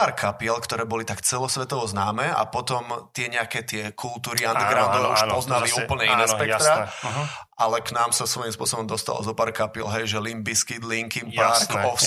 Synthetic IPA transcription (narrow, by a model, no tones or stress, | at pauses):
aːɾkʰapiɛlkt̪ɔɾɛːbɔlit̪akt͡sɛlɔsʋɛt̪ɔʋɔznaːmɛa̰pɔt̪ɔmt̪ɪɛɲɛakɛːt̪ɪɛkʰult̪uːɾiand̪iɡɾanɔʋɛuʃpɔznaliuːpl̩ɲɛinɛʃpɛk̪ɾaɛʔalɛknaːmsasʋɔjimspʊɔsɔbɔmd̪ɔst̪a̰lɔ̰zɔpaːɾkapiɛlɦɛjʒɛlimbiskid̪liŋkimpaɾkɔf